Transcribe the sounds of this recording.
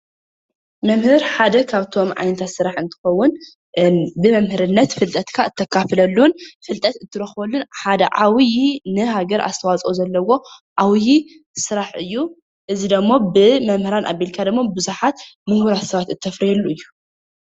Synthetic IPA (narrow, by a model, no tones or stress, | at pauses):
mɐmhɨɾħad̪ɐkʰaβt̪ʰo̞mʕa̰jnɐt̪ʰat̪sɨɾaħɨnt̪ʰɨ̥xɐwːʊn | bɨmɐmhɨɾɨnːɐt̪fɨlt̪ʼɐt̪kʰaɨt̪ʰːɐkʰːafɨlɐlːunfɨlt̪ʼɐt̪ɨt̪ʰːɨɾɐxbolːunħad̪ɐʕawjinɨɦaɡɐɾa̰st̪ʰɐwat͡sʼozɐlːɐwo̞ʔawji | sɨɾaħɨjːu | ʔɨzid̪ɐmːo̞bɨmɐmhɨɾanʔa̰belkʰad̪ɨmːobɨzuħat̪mɨhhuɾat̪sɐβat̪ɨt̪ʰːɐfɾihelːuɨjːu